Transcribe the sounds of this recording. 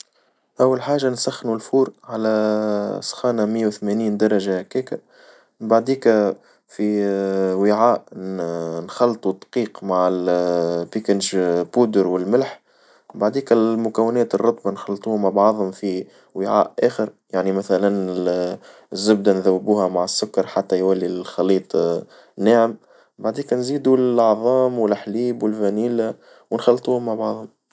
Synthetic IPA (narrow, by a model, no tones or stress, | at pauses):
ʔæwːælħaːʒansæxːnulfuːɾʕalæ | sˤxɑːnamɪjːewθmæniːnd̪ɑɾˤɑʒahkːɛːkæ | baʕd̪iːkæ | fiwɪʕaːʔ | nxɑlːt̪ˤud̪qiːqmaʕɪlpikənʒbuːd̪əɾwɪlmɪlħ | baʕd̪iːkɪlmʊkæwːɪnɛːt̪ərˤːʊt̪ˤbɑnxɑlːt̪ˤuːhmːaʕbʕɑðˤhʊmfi | wɪʕa̰ːʔʔæːxəɾjaʕnimæθælænɪ | zːʊb̚d̪ænðæwːɪbuːhæmaʕɪsːʊkːɑɾˤħat̪ːæjwælːilxɑliːt̪ˤ | nːaːʕəm | baʕd̪iːknziːd̪ulʔʕðˤɑːmwɪlħliːbwɪlfæniːla | wɪnxɑlːt̪ˤuːhʊmːaʕbɑʕðˤhʊm